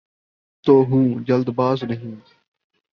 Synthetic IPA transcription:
t̪oːɦũːd͡ʒəld̪baːznəɦĩː

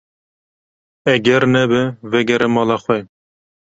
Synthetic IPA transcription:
ɛɡʲɛɾnɛbɨvɛɡɛɾɛmɑːlɑxʷwɛ

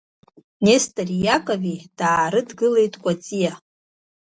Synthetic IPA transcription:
nestʰʼarijakʼavid̥aːɾɨdɡɨle̞jtʼkʷʼat͡sʼija

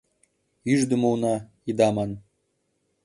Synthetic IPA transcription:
yʒd̪ə̆munɑ | id̪ɑmɑn

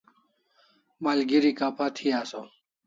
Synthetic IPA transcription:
malɡiɾikapʰat̪ʰiaːso

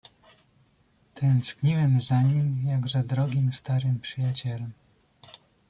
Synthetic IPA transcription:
t̪ʰɛnskɲiwɛmzaɲimjaɡzad̪ɾɔɡʲimst̪aɾɘmpʂɘjat͡ɕɛlɛm

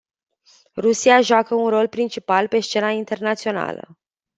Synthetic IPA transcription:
rusiaʒoakəunro̞lpɾint͡ʃipalpe̞ʃt͡ʃe̞naint̪e̞rnat̪sio̞na̰lə̰

